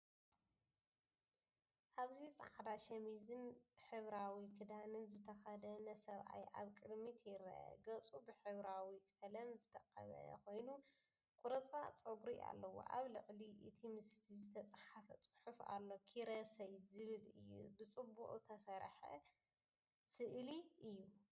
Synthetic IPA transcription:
ʔaβzisʼa̰ʕd̪aʃɐmizɨnħɨβɾawikʰɨd̪anɨnzɨt̪ʰɐxɐd̪ɐnɐsɐβʔa̰jʔa̰βkʼɨd̪mit̪ʰjɪɾɐ̰ʔɐ̰ɡɐt͡sʼubɨħɨβɾawikʼɐlɐmzɨt̪ʰɐqʼɐ̰βɐ̰ko̞jnu | kʷʼuɾɐt͡sʼa̰t͡sʼoɡɾiʔa̰lːɐwo̰ʔa̰βlɨʕliʔɨt̪ʰimɨst̪ʰizɨt̪ʰɐt͡sʼħafɐt͡sʼɨ̥ħufa̰lːo̞kʰiɾɐsɐjd̪zɨβɨlɨ̰jːṵbɨt͡sʼɨbːuqʼzɨt̪ʰɐsɐɾħɐ̰ | sɨʔliʔɨjːu

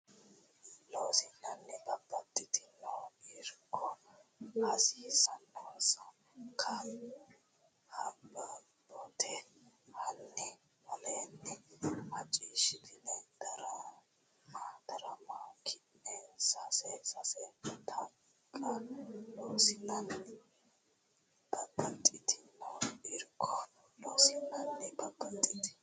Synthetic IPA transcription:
loːsɪnːɐnːɛbɐbːɐt̪ːɪt̪ɪnɐwiɾkʰːɔ | hɐsisɐnːsɐ | kʰɐ | habɐ | bɔt̪ʰɛ | hɐnːɛ | wɔleːnːɛhɐt͡ʃʼiʃɪt̪ʰɪlɛd̪̥ɐɾɐ | maːd̪ɐɾɐmakʰɪnːɛsɐsɛsɐsɛt̪ʰɐ | kʼɐloːsɪnːɐnːɪ | b̥ɐbɐnt̪ʼɪt̪ʰɪ̥moɪɾkʰɔ | loːsɪnːɐnːɛbɐbɐnt̪ʼɪt̪ɪ̥

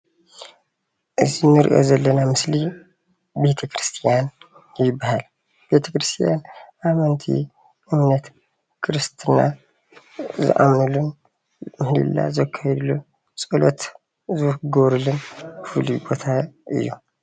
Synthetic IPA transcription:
ʔɨzinɨɾ̰ʔo̞̰zɐlːɐnamɨsli | be̞t̪ʰɐkʰɾɨst̪ʰijan | jɪbːahal | b̥e̞t̪ʰɐkɾɨst̪ʰijanʔamɐnt̪ʰḭ | ʔɨmnɐt̪ | kʰɨɾɨst̪ʰɨna̰ | zɨ̰ʔa̰mnɨlun | mɨhlḭlːa̰zɐkʰːajɛd̪lu | t͡sʼɨlot̪ | zɨhɡoβɾulunfɨlubo̞t̪ʰaʔɨ̰jːṵ

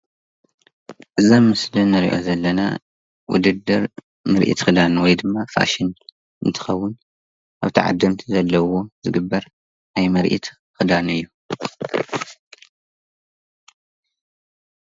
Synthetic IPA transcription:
ʔɨzamːɨslɨnːɐɾḭʔo̞̰zɐlːɐna̰ | wʊ̰d̪ɨd̪ːɨɾ | mɐɾʔḭt̪xɨd̪anwɔjd̪ɨmːafa̰ʃɪn | ʔɨnt̪ʰɨ̥xɐwːʊn | ʔaβt̪ʰiʕa̰d̪ːɨmt̪ʰizɐlːɐwo̞zɨɡɨbːɐɾ | najmɐɾʔḭt̪ | xɨd̪anɨjːu

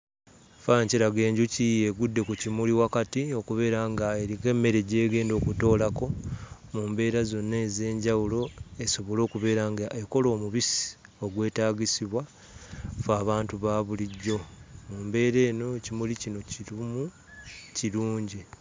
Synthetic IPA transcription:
faɲciɾaɡe̞ːɲɟucijeɡudːe̞kucimuliwakatio̞kuβe̞ːɾaŋɡaeɾike̞mːe̞ɾe̞ɟe̞ːɡe̞ːndo̞ːkuto̞ːlako̞ | muːmbe̞ːɾazo̞nːeːze̞ːɲɟawulo̞e̞so̞βo̞lo̞ːkuβe̞ːɾaŋɡaʔeko̞lo̞ːmuβisi̥ | o̞ɡwe̞ːtaːɡisiβwa | faːβaːntuβaβuliɟːo̞muːmbe̞ːɾe̞ːno̞cimulicino̞ciɾumu | ciluːɲɟi

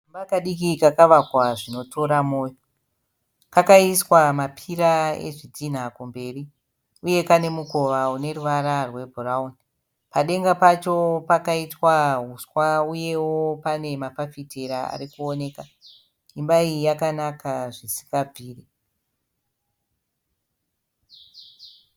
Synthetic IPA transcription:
imbakaɗikikakaʋakwaʐino̞tʰo̞ɾamoːjo | kakaiswamapʰiɾae̞̰ʐid͡zʱin̤akumbe̞ri | uje̞kane̞mukoʋaune̞ruʋaɾarwe̞bʱuraun | paɗe̞ŋɡapat͡ʃo̞pakaitwaɦuswauje̞wopane̞mapafiteɾaa̰ɾikuone̞ːka | imbaijakanakaʐisi̥kɡab͡vʱiːri

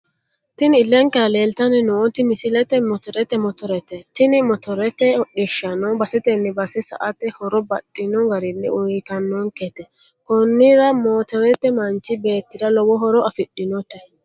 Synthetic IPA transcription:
t̪ɪnɪlːɛŋkɛɾɐleːlt̪ɐnɪnɔt̪ɪmɪsɪlɛt̪ɛmɔt̪ɔɾɛt̪ɛmɔt̪ɔɾɛt̪ɛt̪ɪnɪmɔt̪ɔɾɛt̪ɛɗɪʃːɐnɔbɐsɛt̪ɛnːɛbɐsɛsɐ̰ʔɐt̪ɛhɔɾɔbɐtʼːɪnɔɡɐɾɪnːɪ̰ʊt̪ɐnːɔŋkɛt̪ɛ | kɔnːɪɾɐmoːt̪ɛɾɛt̪ɛmɐnt͡ʃːɪbe̞ːt̪ːɪd̪ɐlɔwɔɦɔɾɔɐfɪɗːɪnɔt̪ɛ

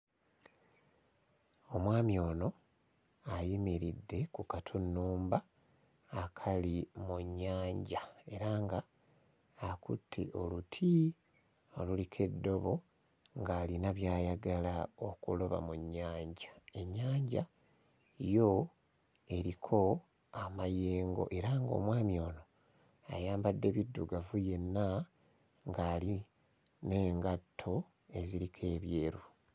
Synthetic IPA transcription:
o̞mwaːmjo̞ːno̞ | ajimiɾidːe̞kukatʰunːuːmbaː | kʰalimuɲːaːɲɟae̞ɾaŋɡaː | kutʰːḛʔolutʰi | olulikʰe̞dːo̞βo̞ | ŋɡaːlinaβjaːjaɡalaokulo̞βa̰muɲːaːɲɟḁe̞ɲːaːɲɟa | jo̞ | e̞ɾikʰo̞ | amajeːŋɡo̞̰ʔe̞ɾaŋɡo̞̰ːmwaːmjo̞ːno̞ | a̰jaːmbadːe̞βidːuɡavuje̞nːa | ŋɡaːli | ne̞ːŋɡatʰːo̞ | e̞ziɾikʰe̞ːβje̞ːɾu

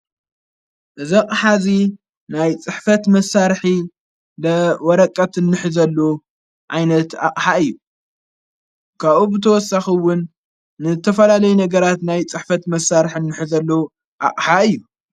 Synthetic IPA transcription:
ʔɨziqʼħazi | najt͡sʼɨħfɐt̪mɐsːaɾħi | lɐwɔɾɐkʼːɐt̪ɨnːɨħɨzɐlːo | ʕajnɐt̪a̰qʼħaɨjːu | kʰaβubɨt̪ʰɐwɔsːaxiwʊnː | ɨɨt̪ʰɐfɐlalɐjunɐɡɐɾat̪najt͡sʼɨħfɐt̪mɐsːaɾħiɨnːɨħɨzɐlːo | ʔa̰qʼħaɨjːu

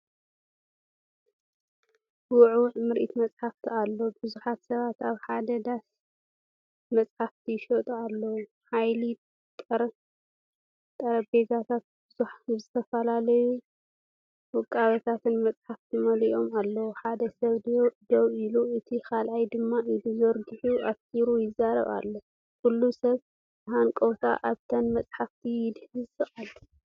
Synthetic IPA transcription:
wʊʕuʕmɨɾʔit̪mɐt͡sʼħaft̪ʰialːo̞bɨzuħat̪sɐβat̪aβħad̪ɐd̪as | mɐt͡sʼħaft̪ʰiʃot̪ʼualːɐwu | ħajli | t̪ʼɐɾ | t̪ʼɐɾɐbezat̪ʰat̪̚b̥ɨzuħzɨt̪ʰɐfɐlalɐju | wɨkʼːaβɐt̪ʰat̪ɨnmɐt͡sʼħaft̪ʰimɐliʔo̞malːɐwuħad̪ɐsɐβd̪owiluɨt̪ʰikʰalʔajd̪ɨmːaid̪uzɐɾɡɨħuʔasiɾujɪzːaɾɐ̰βa̰lːo | kʰulːusɐβ | ɨɦankʼowt̪ʰa̰ʔaβt̪ʰɐnmɐt͡sʼħaft̪ʰijɪd̪hɨzɨalːo

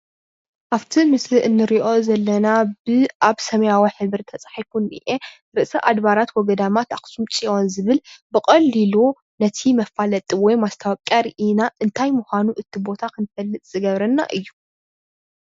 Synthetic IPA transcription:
ʔaβt̪ʰimɨsliʔɨnːɨɾiʔo̞zɐlːɐnabɨʔaβsɐmɐjawiħɨβɨɾt̪ʰɐt͡sʼḁħijkunːḭʔe | ɾɨʔsɐʔad̪βaɾat̪wɔɡɐd̪amat̪aχʼsumt͡ʃʼiwonzɨβɨlbɨkʼɐlːilu | nɐt̪ʰimɐfalɐt̪ʼiwɔjmast̪ʰawkʼːaɾiʔinaʔɨnt̪ʰajmuxʷanuʔɨt̪ʰːibo̞t̪ʰakʰɨnfɐlːɨt̪ʼz̥ɨɡɐβɾɐnːa̰ʔɨjːu

